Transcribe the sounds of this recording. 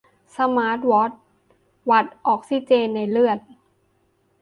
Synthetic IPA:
sa˧maː˦˥t̪̚wɔ˦˥t̪̚ | wa˨˩t̪̚ʔɔː˨˩k̚si˧˥˩t͡ɕeː˧nːa˧jlɯ˥˩ət̪̚

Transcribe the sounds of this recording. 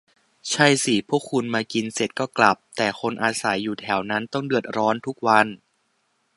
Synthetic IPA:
t͡ɕʰa˥˩jsi˨˩pʰu˥˩əkʰːu˧nmaː˧ki˧nse˨˩t̪̚kɔː˥˩kla˨˩p̚t̪ɛː˨˩xʰo˧nʔaː˧sa˩˦jːuː˨˩t̪ʰɛ˩˦wna˦˥nt̪ɔ˥˩ŋdɯ˨˩ət̪̚ɾɔː˦˥nt̪ʰu˦˥k̚wa˧n

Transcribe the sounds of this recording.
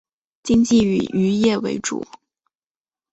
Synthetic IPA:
t͡ɕi˥ŋt͡ɕi˥˩y̰˨˩y˧˥jɛ˥˩wḛ˧˥ɪʈ͡ʂṵ˨˩˦

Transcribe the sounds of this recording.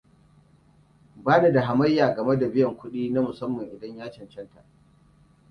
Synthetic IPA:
baː˦na˨da˨ɦa˨mɐ˦jːaː˨ɡɐ˨me˦da˨bɪ˦jɐ˨ŋkʷʊ˦ɗiː˦na˦mʊ˨sɐ˦mːɐ˨ŋʔɪ˨dɐ˦ɲjaː˦t͡ʃɐ˨nt͡ʃɐ˦nta̰˨ʔ

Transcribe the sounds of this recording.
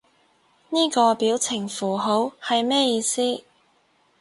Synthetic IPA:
niː˥kɔː˧piː˨˥wt͡sʰɪ˨˩ŋfuː˨˩ɦo˨˥whɐ˨jmɛː˥jiː˧siː˥

